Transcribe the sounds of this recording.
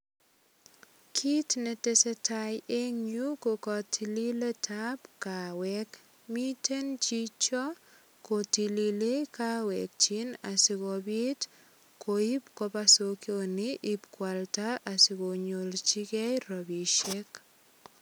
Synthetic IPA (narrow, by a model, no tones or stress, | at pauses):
kʰitnɛtɛsɛtʰajeŋɲukokɔtʰililetʰapkawɛk | mitʰent͡ʃit͡ʃɔ | kotililekawɛk̚t͡ʃinasɪkɔbit | koipkɔpasokjonɪʔɪpkwaltaʔasɪkoɲolt͡ʃikɛjɾɔbiʃek